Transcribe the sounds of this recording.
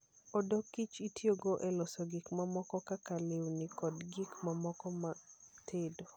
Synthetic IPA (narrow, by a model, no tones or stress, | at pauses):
odokːit͡ʃitjoɡoʔɛlɔsɔɡɪkmamɔkɔkakalewnɪkɔdɡikmamɔkɔmatʰedo